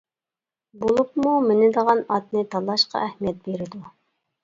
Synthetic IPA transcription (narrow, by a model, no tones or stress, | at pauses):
bolˠup̚mumɪnɪd̪əʁɑnɑt̪nɨt̪ʰɑlˠɑʃqɑ̰ʔɛhmijɛt̪̚beɾɪd̪u